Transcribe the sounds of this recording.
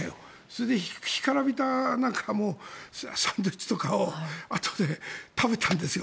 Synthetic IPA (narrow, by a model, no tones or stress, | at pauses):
soɾed̪e̞ççi̥kaɾabʲit̪anãŋkʰamoːssãnd̪oit͡ɕi̥t̪okaoat̪ʰo̥d̪e̞t̪abe̞t̪ãnd̪e̞sɨjo